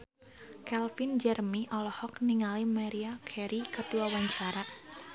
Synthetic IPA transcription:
kɛlfind͡ʒɛrmiʔɔlɔhɔkniŋalimaɾiakʰɛɾikəduawaɲt͡ʃaɾa

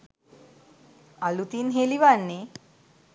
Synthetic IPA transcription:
alut̪iːnɦeliʋanːe

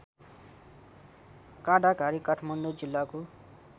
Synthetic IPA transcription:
kãɖakaɾikʌʈʰmʌnɖod͡zilːako

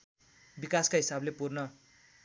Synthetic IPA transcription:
bikaskaɦisablepurnʌ

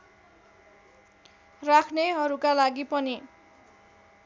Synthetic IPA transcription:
rakʰneɦʌɾukalaɡipʌni

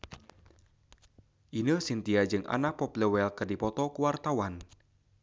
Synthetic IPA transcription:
ʔinəsint̪iad͡ʒɨŋʔa̰nak̚pɔpləwɛlkɨrdipɔt̪ɔkuwart̪awan

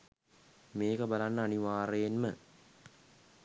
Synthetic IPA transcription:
meːkəbalanːɐːniʋaːɾejenmə

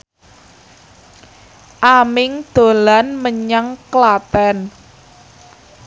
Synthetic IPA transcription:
ʔamɪŋd̪̥o̤lanməɲaŋklab̥ɛ̤n

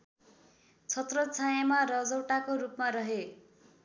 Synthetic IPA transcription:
t͡sʰʌt̪rʌt͡sʰajamarʌd͡zʌwʈakorupmaɾʌɦe

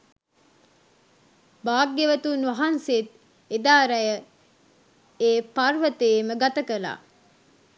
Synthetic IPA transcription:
baːɡːeʋət̪unʋɐɦanset̪ | ed̪aːɾɐjə | eːparʋət̪eːməɡat̪əkəla̰ː

